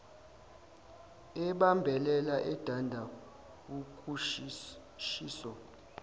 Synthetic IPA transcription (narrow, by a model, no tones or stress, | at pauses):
ɛɓambʱɛlɛlaʔɛd̥ʱandʱa | k̬uku | ʃiːsɔ